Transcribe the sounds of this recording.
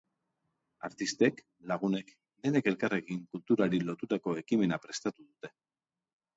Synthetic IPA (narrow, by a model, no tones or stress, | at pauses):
a̰ɾt̪ist̪e̞k | laɣ̞une̞k | d̪e̞ne̞ke̞lkare̞ɣiŋkult̪uɾaɾilo̞t̪ut̪ako̞e̞kime̞napɾe̞st̪at̪uðut̪e̞